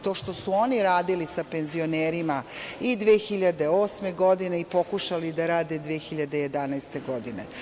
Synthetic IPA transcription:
t̪o̞ːʃt̪o̞suo̞niɾaːd̪ilisape̞nzio̞neːɾimaid̪ʋeːxiʎad̪e̞oːsme̞ɡo̞d̪ine̞ipo̞kuʃalid̪aɾaːd̪e̞d̪ʋeːxiʎad̪eje̞d̪anajst̪e̞ɡo̞d̪inḛ

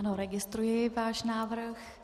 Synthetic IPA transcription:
noɾɛɡɪst̪ɾujɪvaːʃnaːvɾ̩x

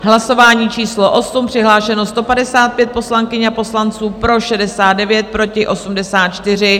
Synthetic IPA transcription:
ɦlaso̞vaːɲiːt͡ʃiːsloʔo̞sumpr̥ɪɦlaːʃɛno̞st̪o̞padɛsaːt̪̚pjɛt̪̚po̞slaŋkɪɲapo̞slant͡suːpɾo̞ʃɛdɛsaːd̪̚dɛvjɛt̪̚pɾo̞cɪʔo̞sumdɛsaːt̪̚t͡ʃt̪ɪr̝ɪ

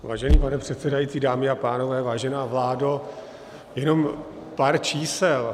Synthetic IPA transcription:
va̰ːʒɛniːpanɛpr̝̥ɛt̪sɛdajiːt͡siːdaːmɪapaːno̞vɛːvaːʒɛnaːvlaːdo | jɛno̞m | paɾt͡ʃiːsɛl

